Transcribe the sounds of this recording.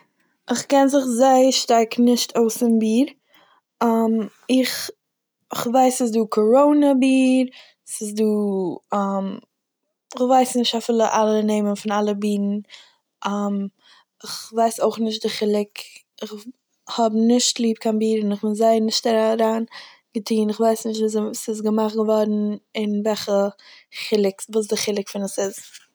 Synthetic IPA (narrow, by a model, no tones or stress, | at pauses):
ɪχkɛnzɪχzaɪəɾʃtaɾknɪʃtʰoʊsɪnbiːɾ | am | ɪχ | ɪχvaɪsɪs̬duːkʰɔɾoʊnəbiːɾ | sɪsduːam | ɪχvaɪsnɪʃtafɪlˠəʔalˠəneɪmənfɪnalˠəbiːɾn̩ | ʔam | ɪχvaɪsoʊχnɪʃ̬t̚dɪχɪlˠɪk | ɪχ | hɔbnɪʃtlˠiːp̚kʰanbiːɾɪnɪχbɪnzaɪnɪʃtaɾaɾaːn | ɡətʰiːnɪχvaɪsnɪʃtvuːsɪs̬ɡəmaχtɡəvɔɾn̩ɪnvɛχəχɪlˠɪkvuːs̬dɪχɪlˠɪkfɪnəsɪz